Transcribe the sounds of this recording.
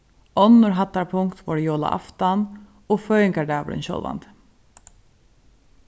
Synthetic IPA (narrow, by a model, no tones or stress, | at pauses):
ɔnːʊɹɦat̪ːaɾpʰʊŋkt̪vɔɾjoːla̰ʔa̰ft̪an | ofœːjɪŋkad̪aːʋʊ̰ɾɪ̰nɕɔ̰lva̰nt̪